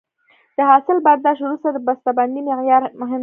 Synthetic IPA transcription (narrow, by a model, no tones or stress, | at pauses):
d̪̥əɦɑsɪlbaɾd̪ɑʃwɾust̪ad̪əbast̪aband̪imɪɣjɑɾmʊɦɪm